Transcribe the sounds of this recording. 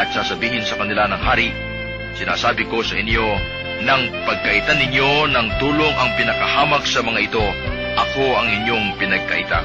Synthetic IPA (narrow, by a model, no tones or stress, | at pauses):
ɐt̪̚saːsɐbiːhɪnsɐkɐnɪlanɐŋhaːɾiʔ | sɪna̰ːsaːbɪko̞sɐʔɪɲjo̞ | nɐŋpɐɡ̚kɐʔɪt̪anɪɲjo̞nɐŋt̪uːlo̞ŋʔɐŋpɪnɐkɐhaːmɐk̚sɐmɐŋaʔɪt̪o̞ | ʔɐko̞ɐŋɪɲjo̞ŋpɪnɐɡ̚kɐ̰ʔɪt̪a̰